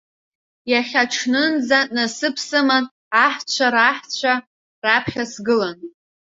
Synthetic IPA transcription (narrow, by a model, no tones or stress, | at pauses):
jaχʲaʈ͡ʂʰnɨnd͡zatʼnasɨpʰsɨman | aħt͡ɕʷʰaɾaħt͡ɕʷʰa | rapʰχʲasɡɨlan